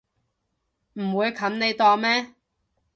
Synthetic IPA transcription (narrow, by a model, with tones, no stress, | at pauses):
m̩˨˩wuː˨˧jkʰɐ˨˥nne˨˧jt̪ɔː˧mɛː˥